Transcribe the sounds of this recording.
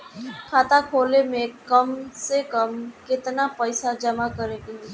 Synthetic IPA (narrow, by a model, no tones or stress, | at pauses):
kʰaːt̪akʰoːlemẽkəmsekəmkɪt̪napəɪsad͡ʒəmakəɾee